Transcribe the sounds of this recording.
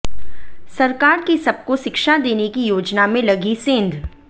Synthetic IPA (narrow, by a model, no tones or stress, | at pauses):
sɐɾkaːɾkisɐb̚koʃɪkʃad̪eːnekijoːd͡ʒnamẽlɐɡisẽːnd̪ʱ